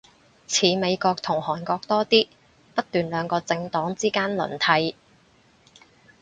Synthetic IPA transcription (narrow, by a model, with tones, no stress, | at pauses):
t͡sʰiː˨˥me˨˧jkɔː˧k̚t̪ʰʊ˨˩ŋhɔː˨˩nkɔː˧k̚t̪ɔː˥t̪iː˥ | pɐ˥t̚t̪yː˨nlœː˨˧ŋkɔː˧t͡sɪ˧ŋt̪ɔː˨˥ŋt͡siː˥kaː˥nlɵ̰˨˩nt̪ʰɐ˨˧˥j